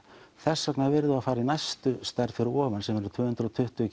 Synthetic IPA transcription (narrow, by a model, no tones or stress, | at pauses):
θɛsːœknavɪɾðʏaðfaːɾainajst̪ʏst̪aɾfɪɾɪɔːvansɛmɛɾʏt̪ʰvʏːhʏnt̪ɾʏɔt̪ʰʏht̪ʏ